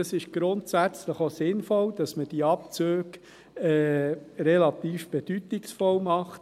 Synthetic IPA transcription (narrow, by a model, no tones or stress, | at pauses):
ɑsɪʃɡ̥ɾʊntsæt͡sləχosɪnfɔld̥ɑsməd̥iɑp̚t͡søːk | ɛːɾɛlɑt̪iːfb̥ed̥ytɪksfɔlmɑχt